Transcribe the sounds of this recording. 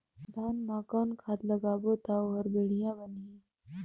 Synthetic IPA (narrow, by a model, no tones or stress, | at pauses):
d̪ʱaːnmaːkawnkʰaːt̪ləɡaːbot̪awɦəɾbeɽijabəni